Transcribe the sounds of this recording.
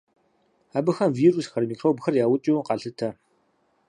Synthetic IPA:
abɨxɐmviːrusxɐrmikʰrowbɨxɐrjaːwʊt͡ʃʼiwqaɬɨtʰɐ

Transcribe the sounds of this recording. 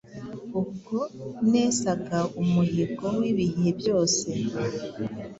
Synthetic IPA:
uɡunesaɡaumuɦiɡowiːβiɦebjo̞ːse̞

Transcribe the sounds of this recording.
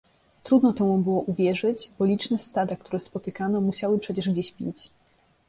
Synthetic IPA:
t̪ɾud̪nɔt̪ɛ̃ubɘwɔʔuvʲjɛʐɘd͡ʑbɔlʲit͡ʂnɛst̪ad̪akt̪uɾɛspɔt̪ɘkanɔmuɕawɘpʂɛt͡ɕɛʐɡd͡ʑeɕpʲḭt͡ɕ

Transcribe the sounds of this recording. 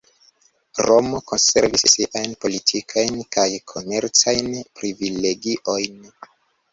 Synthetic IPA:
ɾo̞mo̞ko̞nse̞̰ɾvisːiʔajnpo̞litʰikʰajnkajkʰo̞me̞ɾt͡sajnpɾivile̞ɡiʔo̞jn

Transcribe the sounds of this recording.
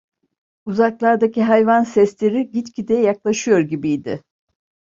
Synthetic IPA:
uzaklˠaɾd̪aciɦajvansɛslʲeɾiɟit͡ʃ̪cʰʲid̪ɛjaklˠaʃɯjo̞ɾɟibijd̪ɪ̰

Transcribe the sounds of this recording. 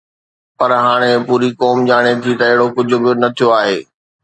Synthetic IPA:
pɐɾɦaːɽ̃epuːɾikɔːmd͡ʑaːɽ̃et̪ʰit̪ɐɪɦɪɽokʊd͡ʑʱʊ̆bɪnɐt̪ʰijoaːɦeː

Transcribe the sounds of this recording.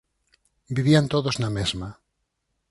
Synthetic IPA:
biβiant̪oðoznamezma

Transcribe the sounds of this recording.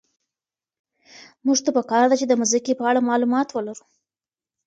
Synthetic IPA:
muʐt̪apəkɑɾd̪at͡ʃed̪əmazikepəaɽamɑlumɑt̪wəlaɾu̥

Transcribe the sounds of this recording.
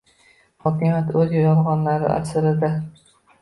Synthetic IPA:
hɒkʲɪmjat̪ɵzjɒjɒlʁɒnlaɾɪ̰ʔa̰ɾsɪɾɪd̪a

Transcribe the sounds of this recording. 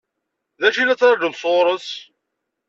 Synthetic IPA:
ðæʃilæt͡sːɾˤɑd͡ʒəðsˤoɾˤəs

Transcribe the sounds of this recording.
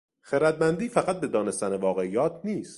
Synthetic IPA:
xeɾæd̪̚mænd̪iːfæɣæt̪̚be̞d̪ɒːne̞st̪ænevɒːɣeijɒːt̪ʰniːst̪

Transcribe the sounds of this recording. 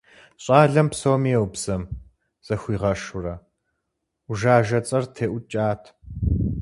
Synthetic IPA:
ɕʼɑːɮɐmpsowmiɛwbz̥ɐm | z̥ɐxʷiːʁɐʃʊrɐ | ʊʒaːʒɐt͡sʼɐrtʰeːʔʷʊt͡ʃʼaːtʰ

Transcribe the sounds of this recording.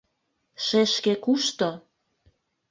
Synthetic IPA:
ʃeʃkekuʃt̪o

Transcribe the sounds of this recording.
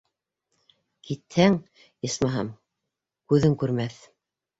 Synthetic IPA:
kit̪hæŋ | ismɑɦɑ̰m | kʉðɘŋkʉɾmæθ

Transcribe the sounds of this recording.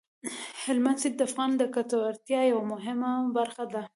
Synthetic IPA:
hɪlmand̪sɪd̪̚d̪əafɣɑnd̪əkat̪awaɾt̪jɑjawamʊɦɪmabaɾxad̪a

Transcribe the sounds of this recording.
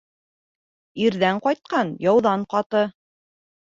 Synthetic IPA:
iɾðæɴqɑjt̪̚qɑnjɑwðɑɴqɑt̪ɤ

